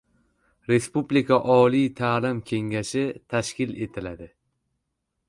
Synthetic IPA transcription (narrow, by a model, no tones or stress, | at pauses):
ɾe̞spublikʰaʔɒlijt̪ʰaːlɪmkʲʰe̞ŋɡʲaʃɪt̪ʰaʃkʲɪlet̪ʰɪlad̪ɪ